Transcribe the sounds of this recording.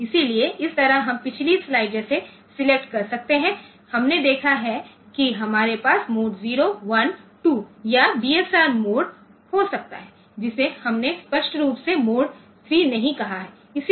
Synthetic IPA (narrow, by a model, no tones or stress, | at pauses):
ɪsilieʔɪst̪ɐɾəɦɐmpɪt͡ʃʰlislaːɪɖd͡ʒɛːse | sɪlek̚ʈkɐɾsɐk̚t̪eɦɛ̃ | hɐmned̪eːkʰaɦɛ | kiɦɐmaːɾepaːsmoːɖziːɾoʋɐnʈuːjabiːɛsaːɾmoːɖ | hosɐk̚t̪a̰ɦɛ | d͡ʒɪsehɐmnespɐʃʈɾuːpsemoːɖ | t̪ʰɾiːnɐɦĩkɐɦaɦɛː | ɪs